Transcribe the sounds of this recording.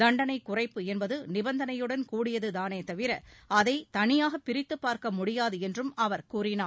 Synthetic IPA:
d̪ɐɳɖɐnɐɪkːʊrɐɪpːɯɛnbɐðɯnɪbɐnd̪ɐnɐjɯɽɐnkuːɽɪjɐðɯðaːneːt̪ɐʋɪɾɐʔɐðɐɪt̪ɐnɪjaːɣɐpːɪɾɪt̪ːɯpːaːɾkɐmʊɽɪjaːðɯɛndrɯmɐʋɐɾkuːrɪnaː

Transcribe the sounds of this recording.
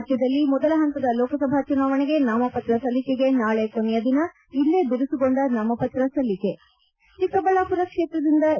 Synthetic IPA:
t̪jɐd̪ɐlːimɔd̪ɐlɐɦɐnt̪ɐd̪ɐlɔːkɐsɐbʱat͡ʃunaːʋɐɳeɡe̞naːmɐpɐt̪ɾɐsɐlikeɡe̞naːɭekonɛjɐd̪inɐ | ilːeb̪iɾusuɡoɳɖɐnaːmɐpɐt̪ɾɐsɐlike̞ | ʈikɐbɐlaːpuɾɐkʂe̞ːt̪ɾɐd̪ind̪ɐ

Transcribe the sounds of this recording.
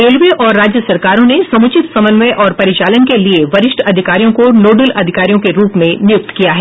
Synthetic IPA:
ɾeːlʋeʔɔːɾːaːd͡ʒjəsɐɾkaːɾõnesɐ̃mʊt͡ʃɪt̪sɐmənʋɛʔɔːɾpɐɾɪt͡ʃaːlənkelieʋɐɾɪʃʈʰɐd̪ʱɪkaːɾijõkonoːɖəlɐd̪ʱɪkaːɾijõkeɾuːpmẽnjʊk̚t̪kijaɦɛː

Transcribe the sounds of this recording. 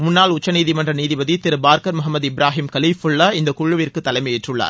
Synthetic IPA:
mʊnːaːlʊt͡ʃːɐniːðimɐndrɐniːðibɐðit̪ɪɾɯbaːɾkɐɾmʊɦɐmːɐðɪbɪɾaːɦɪmkɐliːfʊɭːɐɪnd̪ɐkʊɻɯʋɪrkɯt̪ːɐlɐɪmɐjɪʈrɯɭːa̰ːɾ

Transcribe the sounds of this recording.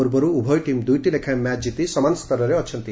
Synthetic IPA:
uɾbɔɾuubʱɔjʈimd̪ujʈilekʰamɛt͡ʃd͡ʒit̪isɔmanst̪ɔɾɔɾeɔt͡ʃʰɔnt̪i

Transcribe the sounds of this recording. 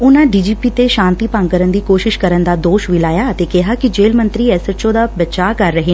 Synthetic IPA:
ʊnãɖiːd͡ʒiːpiːt̪eʃãːnt̪ipãŋɡkəɾənd̪iːkoːʃɪʃkɐɾənd̪aːd̪oːʃʋɪlaːjaːət̪eːkɪɦakid͡ʒeːlmə̃nt̪ɾiːɛːsəɾt͡ʃod̪aːbɐt͡ʃaːkɐɾːəɦeː

